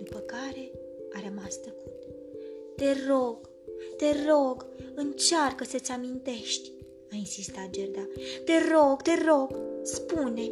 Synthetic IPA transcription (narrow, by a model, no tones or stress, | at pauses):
d̪̥upəkaɾe̞ | aɾəmast̪əkut̪ | t̪e̞ro̞ɡ | t̪e̞ro̞ɡɨnt͡ʃarkətsət̪sʲamint̪e̞ʃt̪ʲ | ainsist̪at̪̚d͡ʒerd̪at̪e̞ro̞ɡt̪e̞ro̞ɡspune